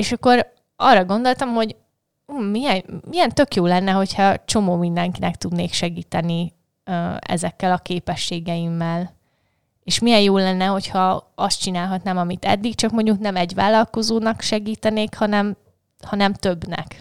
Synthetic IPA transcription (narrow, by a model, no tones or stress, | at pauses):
eːʃɒkːo̞ɾ | ɒrːɒɡo̞nd̪o̞lt̪ɒmho̞ɟ | uːmijɛnmijɛnt̪ø̞kjoːlɛnːɛɦo̞cʰhɒt͡ʃo̞moːmind̪ɛŋkinɛkt̪ud̪neːkʃɛɡiːt̪ɛni | øɛ̰zɛkːɛlɒkeːpɛʃːeːɡɛjimːɛl | eːʃmijɛjjoːlɛnːɛɦo̞chɒɒst̪̚t͡ʃinaːlɦɒt̪naːmɒmit̪ɛ̰d̪ːikt͡ʃɒkmo̞ɲɟuknɛmɛɟʋa̰ːlːɒlko̞zoːnɒkʃɛɡiːt̪ɛneːkhɒnɛm | hɒnɛmt̪øbnɛ̰k